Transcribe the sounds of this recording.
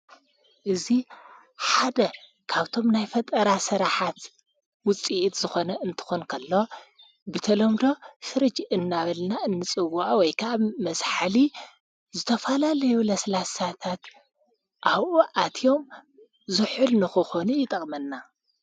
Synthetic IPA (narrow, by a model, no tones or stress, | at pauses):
ʔɨzi | ħad̪ɐ | kʰaβt̪ʰo̞mnajfɐt̪ʼɐɾasɐɾaħat̪ | wʊt͡sʼiʔit̪zɨxo̞nɐɨnt̪ʰɨ̥xonkʰɐlːo̞ | bɨt̪ʰɐlɐmd̪o̞sɨɾɨd͡ʒʔɨnːaβɐlnaʔɨnːɨt͡sʼɨwːuʔawɔjkʰɐʔaβmɐsħali | zɨt̪ʰɐfɐlalɐjulɐslasat̪ʰat̪ | ʔaβʔuʔat̪ʰijo̞m | zɨħɨlnɨxɨxonujɪt̪ʼɐkʼmɐnːa